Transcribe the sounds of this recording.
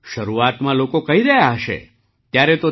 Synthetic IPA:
ʃəɾuat̪mãlokokəɦiɾəjaɦəʃḛ | t̪jaɾet̪o

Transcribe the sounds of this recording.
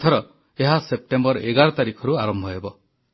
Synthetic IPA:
t̪ʰɔɾɔ | eɦasep̚ʈembɔɾʔeɡaɾɔt̪aɾikʰɔɾuaɾɔmbʱɔɦebɔ

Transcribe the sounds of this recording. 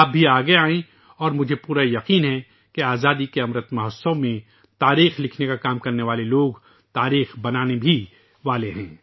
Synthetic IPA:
b̚bʱiaːɡɐeaːẽ | ɔːɾmʊd͡ʒʱepuːɾajɐqiːnɦɛ | keaːzaːd̪ikeɐmɾət̪mɐɦəsõmẽ | t̪aːɾiːxlɪkʰnekakaːmkɐɾneʋaːleloːɡ | t̪aːɾiːxbɐnaːnebʱi | ʋaːleɦɛ̃ː

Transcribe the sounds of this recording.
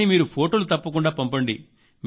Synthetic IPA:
imiːɾupʰoːʈoːlut̪ɐpːɐkuɳɖaːpɐmpɐɳɖi | m

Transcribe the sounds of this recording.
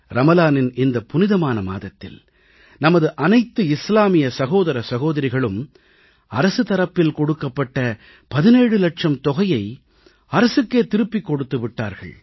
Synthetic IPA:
ɾɐmɐlaːnɪnɪnd̪ɐpʊnɪðɐmaːnɐma̰ːðɐt̪ːɪ̰l | nɐmɐðɯʔɐnɐɪt̪ːɯɪslaːmɪjɐsɐɣoːðɐɾɐsɐɣoːðɐɾɪɣɐɭɯm | ɐɾɐsɯt̪ɐɾɐpːɪlkɔɽɯkːɐpːɐʈːɐ | pɐðɪneːɽɯlɐʈʂɐmt̪ɔɣɐjɐɪ | ɐɾɐsɯkːeːt̪ɪɾɯpːikːɔɽɯt̪ːɯʋɪʈːa̰ːɾɣɐ̰ɭ

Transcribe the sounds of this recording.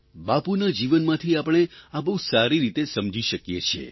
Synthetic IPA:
bapunad͡ʒiʋənmãt̪ʰiapəɳ̃eabəɦusaɾiɾit̪esəmd͡ʒʱiʃəkjet͡ʃʰḛ

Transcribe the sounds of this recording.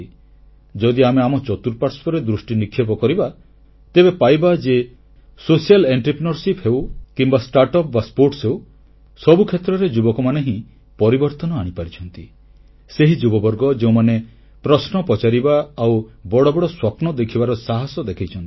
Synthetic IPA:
d͡ʒɔd̪iameamɔt͡ʃɔt̪uɾpaɾspʰɔɾed̪ɾusʈinikʰːjepɔkɔɾiba | t̪ebepajbad͡ʒe | sosijaleɳʈɾipɾinɔɾsipɦewkimbasʈaɾʈɔp̚baspoɾʈsew | sɔbukʰet̪ɾɔɾed͡ʒubɔkɔmaneɦĩ | pɔɾibɔɾt̪ɔnɔaɽ̃ipaɾit͡ʃʰɔnt̪i | seɦid͡ʒubɔbɔɾɡɔd͡ʒeũmane | pɾɔsnɔpɔt͡ʃaɾibaːwbɔɽɔbɔɽɔswapnɔd̪ekʰibaɾɔsaɦasɔd̪ekʰajt͡ʃʰɔnt̪i

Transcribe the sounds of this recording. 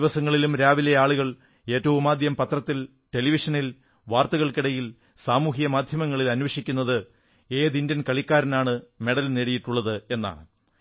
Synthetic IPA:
ʋɐsɐŋːɐɭilumɾaːʋilejaːɭuɣɐɭ | e̞ːtːɐʋumaːd̪ʱjɐmpɐt̪rɐt̪ːil | ʈe̞liʋiʂɐnil | ʋaːrt̪ɐɣɐɭkiɽɐjil | saːmuːɦijɐmaːd̪ʱjɐmɐŋːɐɭilɐnʋɐʂikʲːunːɐðɨ | e̞ːðindɐnkɐɭikʲːaːɾɐnaːɳɨme̞ɽɐlneːɽijiʈːuɭːɐðɨe̞nːa̰ːɳ

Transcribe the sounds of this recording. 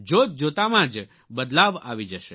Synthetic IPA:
d͡ʒot̪̚d͡ʒot̪amãd͡ʒ | bəd̪laʋa̰ʋid͡ʒəʃe

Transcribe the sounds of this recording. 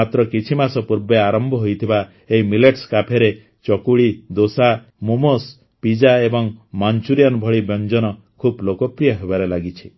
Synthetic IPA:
at̪ɾɔkit͡ʃʰimasɔpuɾbeaɾɔmbʱɔɦojt̪ʰiba | eɦimileʈskapʰeɾe | t͡ʃɔkuɭid̪osa | mumos | pid͡ʒaebɔŋmant͡ʃuɾijanbʱɔɭibjɔnd͡ʒɔnɔ | kʰublokopɾijɔɦebaɾelaɡit͡ʃʰi̥

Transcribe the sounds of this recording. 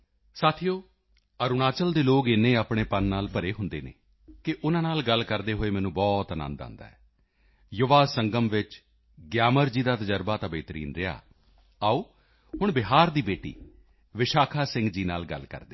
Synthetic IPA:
saːt̪ʰijoː | əɾʊnaːt͡ʃəld̪eːloːkɪnːẽːaːpɽeːpənːaːlpəɾeːɦʊnd̪ḛːnḛ̃ː | kɪʔʊnãːnaːlɡəlkəɾd̪eːɦoːeːmɛ̃ːnũːbɔːt̪ənã̰ːnd̪ã̰ːnd̪a̰ːɦɛː | jʊʋaːsəŋɡəmʋɪt͡ʃ | ɡjaːməɾd͡ʒiːd̪aːt̪əd͡ʒəɾbaːt̪ãːbeːt̪əɾḭːnɾɪja̰ː | aːuː | ɦʊɳbɪɦaːɾd̪iːbeːʈḭː | ʋɪʃaːkʰaːsɪ̃ŋɡd͡ʒiːna̰ːlɡə̰lkə̰ɾd̪eː

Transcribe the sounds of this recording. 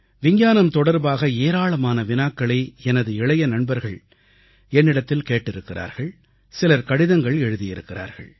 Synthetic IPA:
ʋɪɲjaːnɐmt̪ɔɽɐɾbaːɣɐeːɾaːɭɐmaːnɐʋɪnaːkːɐɭɐɪɛnɐðɯɪɭɐjɐnɐɳbɐɾɣɐɭ | ɛnːɪɽɐt̪ːɪlkeːʈːɪɾɯkːɪra̰ːɾɣɐɭ | sɪlɐɾkɐɽɪðɐŋɡɐɭɛɻɯðɪjɪɾɯkːɪra̰ːɾɣɐ̰ɭ

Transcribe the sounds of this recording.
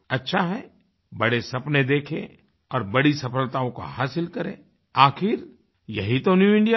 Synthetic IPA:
ɐtːʃʰaɦɛ | bɐɽesɐpned̪eːkʰḛ̃ | ɔːɾbɐɽisɐfəlt̪aõka̰ɦaːsɪlkɐɾḛ̃ː | aːxɪɾ | jɐɦit̪onjuːɪ̃ɳɖija

